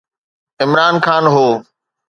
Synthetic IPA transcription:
ɪmɾaːnkʰaːnɦoː

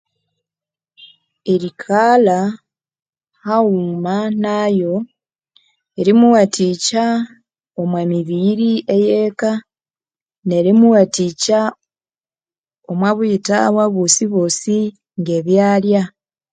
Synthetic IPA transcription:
eɾikʰala | haumanaːjo̞ | eɾimuwatica | omwemiβiɾiʔejeːka | ne̞ɾimuwatica | omwaβuita̰βwaβosiβosi | ŋɡe̞ːβjaːlja

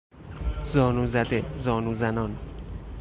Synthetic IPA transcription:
zɒːnuːzæd̪ezɒːnuːzænɒːn

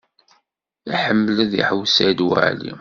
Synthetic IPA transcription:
iħəmːələðḭħəwsæd̪wə̰ʕlḭ

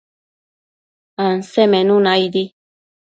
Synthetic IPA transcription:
ãnsɛmɛ̃nũnãid̪i

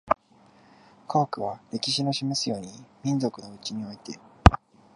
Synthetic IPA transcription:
kʰaːkɯ̟β̞aɾe̞kʲiɕino̞ɕimesɨjo̞ːɲ̟imʲĩnd͡zo̞kɯ̟no̞ɯ̟t͡ɕiɲ̟io̞it̪e̞

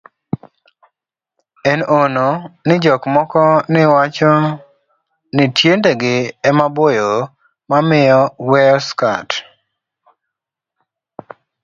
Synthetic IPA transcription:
ɛnononɪd͡ʒɔkmɔkɔnɪwat͡ʃɔ | nɪtʰjendeɡɪɛmabojo | mamɪjɔwɛɔska̰t

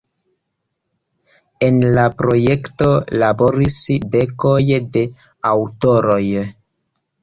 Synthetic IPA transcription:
enlapɾo̞je̞kto̞labo̞ɾisbe̞ko̞jde̞ | awto̞ɾo̞j

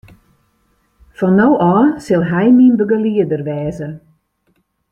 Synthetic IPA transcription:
fɔnːowʔɔːsɪlˠɦɛjminbəɡəliədərʋɛːzə

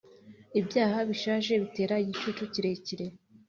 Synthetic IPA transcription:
ibjaːhaβiʃaːʒe̞βite̞ːɾaijit͡ʃut͡ʃuciɾe̞ciɾe̞

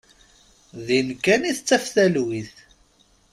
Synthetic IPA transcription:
ðinkːæniθət͡sːæfθælwiθ

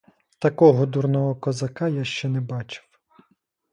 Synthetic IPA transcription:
t̪ɐkɔɦɔd̪urnɔɦɔkɔzɐkɑjaʃt͡ʃɛnɛbɑt͡ʃɪ̥w

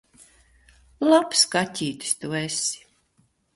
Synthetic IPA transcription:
lˠapskat̪ʲiːt̪ʲi̥st̪uɛsi̥

